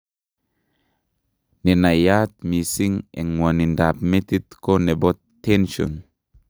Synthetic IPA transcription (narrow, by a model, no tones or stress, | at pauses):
nenajat̪̚misiŋɛŋwanindap̚met̪it̪konebɔttːɛnʃɔ̰n